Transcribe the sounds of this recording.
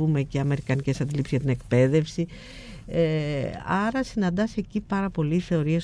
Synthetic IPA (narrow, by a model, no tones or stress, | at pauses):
ume̞ceɐme̞ɾikɐnice̞sɐnd̪ilipszʝɐt̪ine̞kpe̞ðe̞fsi | eɐɾɐsinɐnd̪ɐsecipɐɾɐpo̞liθe̞o̞ɾies